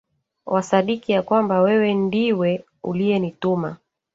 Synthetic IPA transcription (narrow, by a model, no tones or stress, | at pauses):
wʔasaɗikijakwambawɛwɛndiwɛ | ṵlijɛnituma